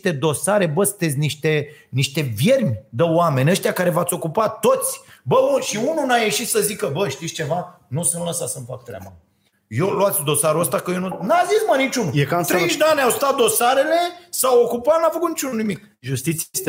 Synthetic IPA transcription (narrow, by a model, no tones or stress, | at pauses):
t̪e̞d̪o̞saɾe̞bəst̪ezʲniʃt̪e̞niʃt̪e̞vje̞rmʲd̪əwame̞nʲəʃt̪ʲijakaɾe̞vat̪sʲo̞kupat̪ːo̞t̪sʲbəuʃiununaje̞ʃit̪səzikəbəʃt̪ist͡ʃe̞va | nusɨnt̪lasasəmfak̚t̪ɾʲea̰ba̰ | joloat̪sʲd̪o̞saɾuəst̪akəjenunazismənit͡ʃunujekat̪ɾeʒd̪eanʲawst̪at̪̚d̪o̞saɾe̞le̞sawokupanafəkut̪nit͡ʃununimik̚ | ʒust̪it̪sst̪e